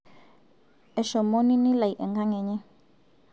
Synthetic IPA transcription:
ɛ˨ʃɔ˨mo˦ni˦ni˦la˨jʔɛ˨ŋɡa˦ŋɛ˨ɲɛ˦

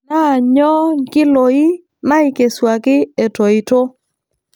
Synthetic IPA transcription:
na˦˨ɲɔ˦ɡɪ˦lo˨ɪ˦ | ma˦ɪ˨ke˨swa˨kɪ˦e˨to˨ɪ˨to˦

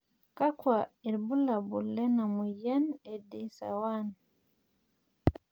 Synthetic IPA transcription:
ka˦kwa˨i˨ɾbu˦la˨bu˨lɛ˦na˨mu˨ja˦ne˨di˨sa̰˨wa˦n

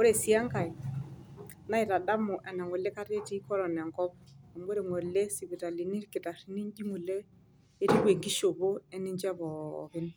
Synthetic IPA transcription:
o˦ɾe˨si˦a˦ŋka˨i˨ | na˦ɪ˨ta˨da˦mʊ˨ʔɛ˨nɛ˨ŋɔ˨lɛ˦ka˦ɾe˦ti˦kɔ˦ɾɔ˨nɛ˨ŋkɔ˦p̚a˨mo˦ɾe˨ŋwɔ˨le˦si˨βi˨ta˨li˨ni˦ɾkɪ˨ta˨ɾi˨˦ni˦nd͡ʒi˦ŋu˨leː˦ | ɾi˦ɡe˨ŋɡi˦ʃo˨βo˦ɛ˦ni˦ɲd͡ʒa˦βɔ̰˨kɪ˦n

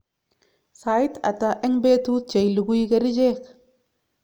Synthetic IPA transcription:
sa˨i˦t̪a̰˨ta˨ʔɛ˦ŋbe˦t̪u˦t̚t͡ʃe˨jlu˨ɡu˦i˦ɡɐ˦ɾi˦d͡ʒe˦k

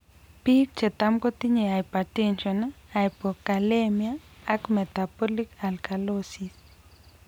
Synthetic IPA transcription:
pi˦k̚t͡ʃe˨t̪a˦mko˦ti˦ɲe˨a˨jpa˨tɛ˦nt͡ʃɔnaa˨jpɔ˨ka˨lemjaː˦kmɛ˨tapɔ˦li˦ka˨lka˨losi˨s

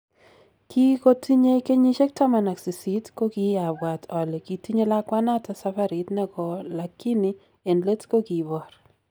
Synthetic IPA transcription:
kʰi˦ko˦tʰi˦ɲe˦ke˦ɲi˦ʃɛ˦k̚ta˦ma˨na˨ksi˨si˦tko˦ki˦a˨bwa˨tʰɔ˨le˨ki˨ti˦ɲe˦la˦kwa˦na˦ta˦sa˦fa˦ɾi˨˦tnɛ˦ɡɔ˨la˨kːi˦ni˦ | e˨nle˦tko˦ki˨bɔ˨ɾ

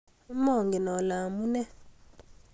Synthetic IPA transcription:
mɔ˦˨ŋɡi˨nɔ˨la˨mu˦nɛ˦

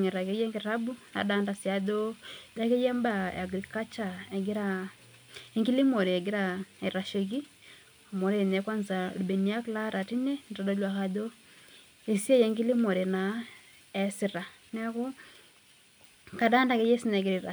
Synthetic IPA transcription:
ŋe˨ɾa˨ke˨˦jɛ˦ŋɡe˨ɾa˦bu˦na̰˨daː˦nda˨sja˨do˦da˦ke˦jɛ˦mba˨a˨ɡɾi˨ka˦t͡ʃa˨ɛ˨ɡe˦ɾa˦ | e˦ŋɡi˦li˦mo˨ɾe˨ɛ˨ɡe˦ɾa˦ɛ˨ɾa˨ʃe˨ki˦ | o˨mo˨ɾe˨nɛ˨˦kwa˦nza˨lbe˨ni˨a˦kla˦ɾa˨ti˦ne˦nɾa˨do˦lwa˨ka˨do˦ | e˨si˦e˦jɛ˦ŋɡi˦li˦mo˨ɾe˨na˨ | ɛ˨si˨ɾa˨ | nɛ˦ku˦ | ka˨daː˦nda˨ke˦je˦si˦nɛ˨ke˨ɾi˨ɾa˨

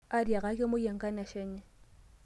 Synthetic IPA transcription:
a˦dja˨ɣa˦kʼɪ˦mʊ˦je˨ŋ̩˨kʼa˦na˨ʃɛ˦ɲɛ˦˨

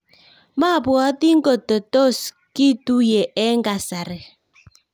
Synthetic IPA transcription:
ma˦˨bwɔ˨˦ti˦ŋ˦ɡo˨to˨to˦˨s | ki˦tu˦je˨ʔɛ˦ŋɡa˨sa˨ɾɛ˨

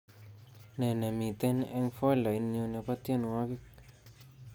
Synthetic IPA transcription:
ne˨ne˨mĩ˨t̪e˦ne˧ŋfwe˦˨la˨i˧nɲũ˧ne˧pa˦t̪je˦n˧wa˦ki˦k̚

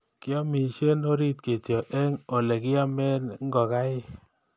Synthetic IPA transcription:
ki˦ɔ˦mi˨ʃe˦no˦ɾi˦t̪̚ke˨tjɔ˨ʔɛ˦ŋo˨le˨kɪ˦a˦me˦nŋɡɔ˨ka˦ɪ˦

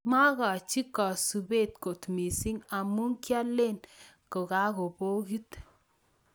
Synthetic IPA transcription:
ma˦ka˨t͡ʃi˦kɔ˨su˨be˦t̚ko˨tmi˨si˦ŋa˨mu˦ŋkja˦le˦˨n | ko˨ka˦ko˨po˦ki˦t

